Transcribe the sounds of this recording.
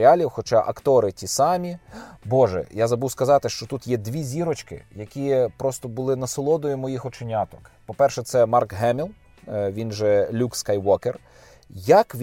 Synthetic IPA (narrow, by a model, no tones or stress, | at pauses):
ɪalʲiwxɔt͡ʃɑʔɐkt̪ɔɾɪtʲisɑmʲibɔʒɛ̰jazɐbuwskɐzɑt̪ɪʃt͡ʃɔt̪ut̪jɛd̪ʲʋʲizʲiɾɔt͡ʃkɪ̰jɐkʲipɾɔst̪ɔbʊlˠɪnɐsɪlˠɔd̪ɔjʊmɔjixɔt͡ʃɪnʲɑt̪ɔkpɔpɛrʃɛt̪sɛmɑrkɦɛmʲilˠ | ʋʲinʒɛlʲukskajwɔker | jakʋʲ